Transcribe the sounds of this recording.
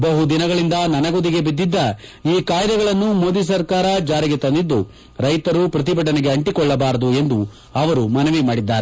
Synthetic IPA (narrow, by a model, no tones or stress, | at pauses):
bɐɦud̪inɐɡɐɭind̪ɐnɐnɐɡod̪iɡe̞bid̪ːid̪ːɐiːkaːjd̪ɐɡɐɭɐnːumo̞ːd̪is̬ɐɾkaːɾɐd͡ʒaːɾiɡe̞t̪ɐnd̪id̪ːu | ɾɐjt̪ɐɾupɾɐt̪̬ibɐʈ̬ɐneɡe̞ɐɳʈikɔɭːɐbaːɾɐd̪ue̞nd̪u | ɐʋɐɾumɐnɐʋimaːɽid̪ːaːɾe